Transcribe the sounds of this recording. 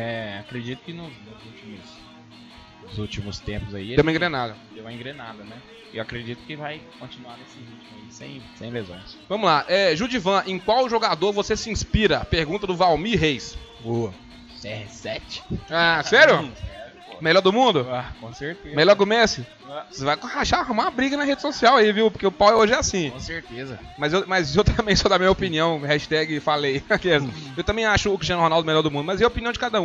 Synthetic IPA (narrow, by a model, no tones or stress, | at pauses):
ɛakɾed͡ʒit̪ʊ̥kɪnʊznʊzuwt͡ʃimʊs | zut͡ʃimʊst̪ẽpʊzaiẽw̃um̃ẽɡɾenad̪ɐd̪ewũmɐẽɡɾenad̪ɐnɛ | ɪewakɾed͡ʒit̪ʊ̥kɪvajkõt͡ʃinuaɾnesɪhit͡ʃm̃aisḛ̃j̃sẽj̃lezõ̰j̃svɐ̃mʊzlaʔɛʒud͡ʒivɐ̃ʔẽj̃kwawʒoɡad̪oɾvosesɪĩspiɾɐpeɾɡũt̪ɐd̪ʊvawmiɦejsboɐ | sɛsɛt͡ʃɪ̥asɛɾjʊ | melɔɾd̪ʊmũd̪ʊakõseɾt̪emeʎɔɾkõmesɪ | sevajkhaʃaɦmãɐbɾiɡɐnɐɦed͡ʒɪsosiawaiviwpoɾkeʊpawɛoʒɪɛasĩõseɾt̪ezɐ̰ | mɐzewmɐzewt̪ɐ̃mbẽj̃sɔd̪ɐmĩɲɐopiniɐ̃w̃hɛʃt̪ɛɡɪfalejksewt̪ɐ̃bẽj̃aʃʊːkɾiʃt͡ʃiɐ̃nʊhonawˠd̪ʊmelɔɾd̪ʊmũd̪ʊmɐziɐopiniɐ̃w̃d͡ʒɪkad̪ɐũ